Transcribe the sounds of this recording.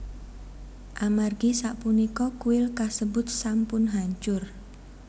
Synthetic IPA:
ʔamarɡisaʔpunikɔkuɪlkasəbʊt̪̚sampʊnɦaɲt͡ʃʊr

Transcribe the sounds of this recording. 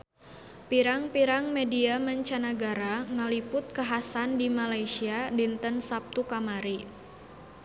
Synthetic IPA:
piɾaŋpiɾaŋmediaməɲt͡ʃanaɡaɾaŋəlipʊt̪̚kaɦasandimalaisiadint̪ənsap̚t̪ukamaɾi

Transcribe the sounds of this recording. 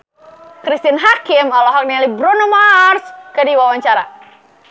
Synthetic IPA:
kɾist̪inɦakɪmɔlɔɦɔk̚nialibɾunɔmarskədiwawaɲt͡ʃaɾa̰

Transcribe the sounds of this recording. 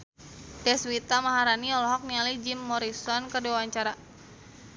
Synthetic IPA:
d̥ɛswit̪amaɦaɾaniɔlɔɦɔk̚nialid͡ʒimːɔɾisɔnkərdiwawaɲt͡ʃaɾa

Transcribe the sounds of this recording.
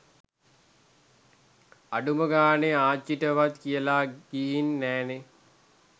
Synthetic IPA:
aɖuməɡaːneaːt͡ʃːiʈəʋat̪kijəlaɡiɦinːɛːne

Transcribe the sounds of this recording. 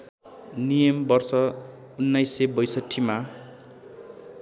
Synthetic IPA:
nijʌmbʌrsʌ | unːajsebʌjsʌʈʰːima

